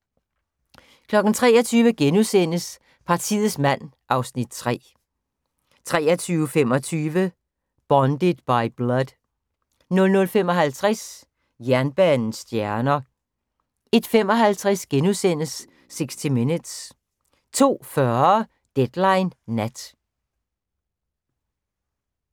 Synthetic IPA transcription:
kʰlɒ̽ɡ̥n̩t͡sʰʁɛːɒt͡sʰyːʋəɡ̥enusen̰əs | pʰɑ̈t͡sʰḭð̩ˠsmæn̰ | ʔɑ̈ʊsnid̥̚t͡sʰʁɛ̰ː | t͡sʰʁɛːɐt͡sʰyːʊfem̰ɒ̽t͡sʰyːʋə | b̥ɒnd̥əd̥b̥ɑ̈ɪb̥lʌd | nɔ̽lnɔ̽lfemɒ̽ɦælt͡sʰʁɛs | jæɐnb̥ɛːnn̩sd̥jæɐnɐ | e̝d̥femɒ̽ɦælt͡sʰʁasɡ̥enusen̰əsː | e̝ɡ̥sd̥imenəd̥s | t͡sʰo̝̰ːfɶɐ | d̥ed̥lɑ̈ɪnːæd̥

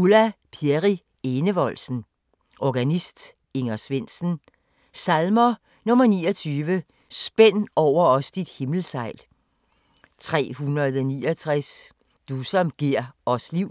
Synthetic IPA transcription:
ulæpʰieʁi | e̝nəʋɒ̽lsn̩ | ʔɒɡ̥ænisd̥ | e̝ŋɐsʋe̝n̰sn̩ | sælmɐ | nɔ̽mɐniːɒt͡sʰyːʋə | sb̥en̰ɒʊ̰ɐɒ̽sd̥id̥he̝ml̩sɑ̈ɪ̰l | t͡sʰʁɛ̰ːhunɐð̩ˠɒnḭːɒt͡sʰʁɛs | d̥usɒ̽mɡ̥iɐ̰ɒ̽sliʊ̰

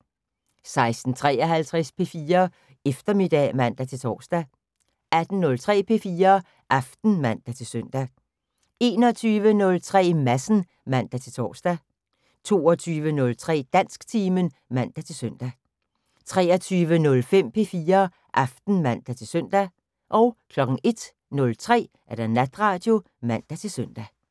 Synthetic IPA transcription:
sɑ̈ɪsd̥n̩t͡sʰʁɛ̰ːɒɦælt͡sʰʁɛspʰe̝fiːɐ | efd̥ɐme̝d̥ɛ̰mæn̰d̥æt͡sʰe̝lt͡sʰɒ̰ːsd̥æ | æd̥n̩nɔ̽lt͡sʰʁɛ̰ːpʰe̝fiːɐ | ʔɑfd̥n̩mæn̰d̥æt͡sʰe̝søn̰d̥æ | e̝ːnɒt͡sʰyːʋənɔ̽lt͡sʰʁɛ̰ːmæsn̩ | mæn̰d̥æt͡sʰe̝lt͡sʰɒ̰ːsd̥æ | t͡sʰo̝̰ːɒt͡sʰyːʋənɔ̽lt͡sʰʁɛ̰ːd̥æn̰sɡ̥t͡sʰiːmən | mæn̰d̥æt͡sʰe̝lsøn̰d̥æ | t͡sʰʁɛ̰ːɐt͡sʰyːʋənɔ̽lfem̰pʰe̝fiːɐ | ʔɑ̈fd̥n̩mæn̰d̥æt͡sʰe̝lsœn̰d̥æ | ʔɒ̽ʊkʰlɒ̽ɡ̥ŋ̩e̝d̥ | nɔ̽lt͡sʰʁɛ̰ː | ʔæɐd̥ænæd̥ʁɑ̈ːd̥jo̝ | mæn̰d̥æt͡sʰe̝lsøn̰d̥æ

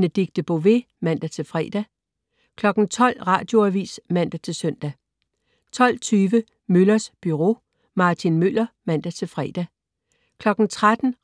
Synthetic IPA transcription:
nəd̥iɡ̥̚d̥əb̥o̝ʋe̝ | mæn̰d̥æt͡sʰe̝lfʁɛ̰ːd̥æ | kʰlɒ̽ɡ̥n̩t͡sʰɒ̽l̰ʁɑ̰̈ːd̥jo̝æʋḭːsmæn̰d̥æt͡sʰe̝lsœn̰d̥æ | t͡sʰɒ̽l̰t͡sʰyːʋə | mølɐsb̥yʁo̝̰ː | mɑ̈t͡sʰinmøl̰ɐmæn̰d̥æt͡sʰe̝lfʁɛːd̥æ | kʰlɒ̽ɡ̥n̩t͡sʰʁad̥n̩

